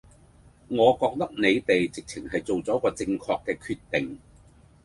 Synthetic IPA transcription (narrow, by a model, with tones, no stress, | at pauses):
ŋɔː˨˧kɔː˧k̚t̪ɐ˥k̚ne˨˧jt̪e˨jt͡sɪ˨k̚t͡sʰɪ˨˩ŋɦɐ˨jt͡so˨wt͡sɔː˨˥kɔː˧t͡sɪ˧ŋkʰɔː˧kːɛː˧kʰyː˧t̪ːɪ˨˩ŋ